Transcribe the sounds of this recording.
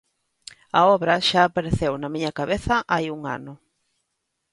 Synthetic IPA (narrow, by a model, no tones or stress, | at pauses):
ɐɔβɾɐʃaːpaɾeθewnɐmiɲɐkaβeθɐʔajuŋa̰nʊ